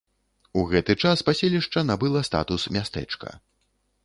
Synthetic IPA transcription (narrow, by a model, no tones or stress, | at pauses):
uɣɛt̪ɨt͡ʂaspasʲelʲiʂt͡ʂɐnabɨlˠɐst̪a̰t̪usmʲast̪ɛ̰t͡ʂkɐ̰